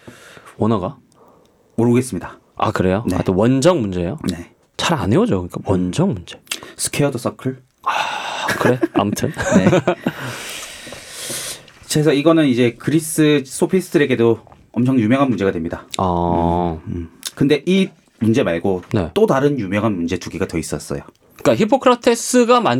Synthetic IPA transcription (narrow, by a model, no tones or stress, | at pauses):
ʌnʌɡa | moɾɯɡe̞s͈ɯmɲida | a̰kɯɾe̞jonea̰tʰewʌnd͡ʑʌŋmund͡ʑe̞jone | t͡ɕaɾanejod͡ʑokɯɲik͈awʌnd͡ʑʌŋmund͡ʑe̞̥sʰɯ̥kʰeʌdos͈ʌkʰɯɭ | akʰɯɾeamutʰɯnne | t͡ɕesʰʌiɡʌnɯnid͡ʑe̞kɯɾis͈ɯs͈ʰopʰisʰɯɯɾe̞ɡe̞do | ʌmt͡ɕʰʌŋjumjʌŋɦanmund͡ʑe̞ɡadwemɲidaʌ | kɯnde̞ʔi | mund͡ʑe̞maɭɡone̞̰t͈odaɾɯnjumjʌŋɦanmund͡ʑe̞t͡ɕuɡiɡatʌis͈ʌs͈ʌ̰jo | k͈açipʰːokʰɯɾatʰes͈ɯɡama